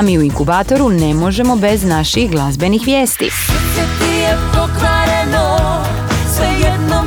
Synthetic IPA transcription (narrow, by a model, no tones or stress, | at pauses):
miːuiŋkubaːt̪o̞ɾune̞mo̞ʒe̞mo̞be̞znaʃixɡlˠazbe̞nixʋje̞ːst̪ḭ | t̪ijepokɾaɾeno | sejɛd̪no